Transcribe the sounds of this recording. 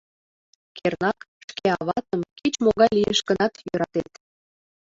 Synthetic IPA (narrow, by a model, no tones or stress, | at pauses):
kernɑk | ʃkeɑβɑt̪əmkit͡ɕmoɣɑjlijəʃɡənɑt̪jøɾɑt̪et̪